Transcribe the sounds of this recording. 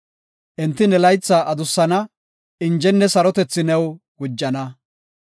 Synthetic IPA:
ʔɛnt̪ːɪnɛlɐjt͡sːɐʔɐd̪ʊsːɐnɐ | ɪnd͡ʒɛnːɛsɐɾɔt̪ɛt͡sːɪnɛw | ɡʊd͡ʒːɐnɐ

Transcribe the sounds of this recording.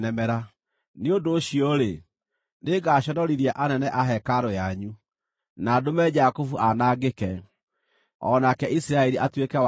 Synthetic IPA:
nɛmɛɾa | neondoːʃiɔɾe | ndeɡaːʃɔnɔɾiɾjaʔanɛnɛʔaɦɛkaɾojaɲu | nadomɛd͡ʒakofuʔanaːɡekɛ | ɔ̰nakɛʔisiɾaɛɾiʔatwekɛw

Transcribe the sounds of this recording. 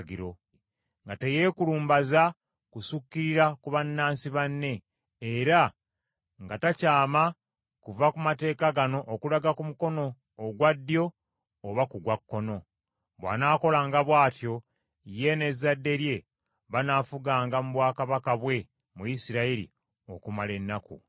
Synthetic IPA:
ɡiɾo̞ | ŋɡateje̞ːkuluːmbaza | kusukːiɾiɾakuβanːaːnsiβanːe̞ː | ɾa | ŋɡatacaːma | kuvakumate̞ːkaɡano̞ʔokulaɡakumuko̞no̞ː | ɡwadːjo̞ː | βakuɡwakːo̞no̞ | βwa̰naːko̞laːŋɡaβwaːtjo̞ | ije̞ne̞zːadːe̞ɾje̞ | βanafuɡaːŋɡamuβwaːkaβakaβwe̞ | mujisiɾaiɾḭ | okumale̞nːakṵ

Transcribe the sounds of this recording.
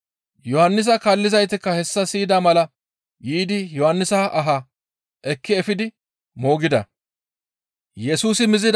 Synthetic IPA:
jɔhɐnːɪs̬ɐkaːlːɪzɐjt̪ɪkːɐhɛsːɐsiːd̪aːmɐlɐ | jiːd̪ɪjɔhɐnːɪsɐʔɐɦa | ʔɛkːɪɛfɪd̪ɪ | mo̞ːɡɪd̪ɐ̰ | jɛsuːsɪmɪzɪd̪

